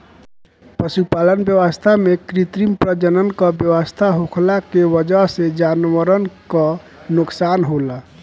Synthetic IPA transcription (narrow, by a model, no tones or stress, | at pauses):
pəʃupalənbjəwəst̪ʰamekɾit̪ɾimpɾəd͡ʒənənkɔbjəwəst̪ʰaɦokʰlakewəd͡ʒəɦsed͡ʒanʋəɾənkɔ | nuksanɦola